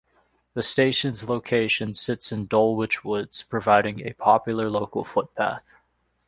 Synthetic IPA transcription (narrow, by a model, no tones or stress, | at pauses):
ðɨsteɪʃɨ̃nzloʊkʰeɪʃɨ̃nsɪtsɨ̃ndɔlˠwɪt͡ʃwʊdz̥pʰɹ̥ɨvaɪɾɪ̃ŋɨ̰pʰɑpjl̩ˠə˞loʊkl̩ˠfʊt̚pʰæ̰θ